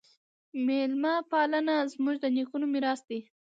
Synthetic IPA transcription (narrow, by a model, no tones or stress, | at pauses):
melmɑpɑlənazmuʒd̪ənikunomɪɾɑsd̪e